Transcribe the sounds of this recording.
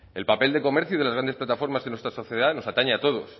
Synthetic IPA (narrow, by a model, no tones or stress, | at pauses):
e̞lpape̞ld̪e̞ko̞meɾθjuðlazɣɾand̪esplat̪afo̞ɾmazðenwe̞st̪ɾaso̞θje̞ðaðno̞sat̪aɲaat̪o̞ð̞os